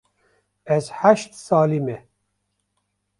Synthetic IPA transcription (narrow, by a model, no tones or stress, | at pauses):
ɛzhaʃt̪sɑːlimɛ